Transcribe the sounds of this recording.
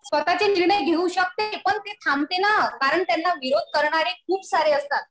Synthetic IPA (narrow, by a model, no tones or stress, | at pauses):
sfət̪at͡seniɾɳəjɡʱeuɕək̚t̪epəɳt̪et̪ʰamt̪enakaɾəɳt̪janːaʋiɾod̪̚ʱkəɾɳaɾekʰuːbsaɾeəst̪at̪̚